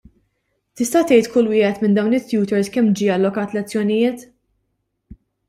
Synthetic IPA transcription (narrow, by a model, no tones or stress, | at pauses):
t̪ɪst̪ɐt̪ɛjt̪kʊlːwɪːhɛt̪mɪnd̪ɐwnɪt̪ːjuːt̪ɛɾskɛmd͡ʒiːɐlːɔkɐːt̪lɛt͡sːjɔnɪjɪːt̪